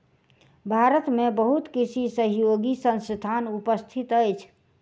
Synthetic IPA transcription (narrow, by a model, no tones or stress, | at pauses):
bʱaɾət̪mebəɦut̪kisʰisəɦijoɡisə̃nst̪ʰanupəst̪ʰit̪əjt͡ʃʰ